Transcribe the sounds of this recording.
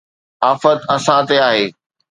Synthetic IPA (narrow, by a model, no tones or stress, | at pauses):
aːfət̪ɐsãt̪eaːɦeː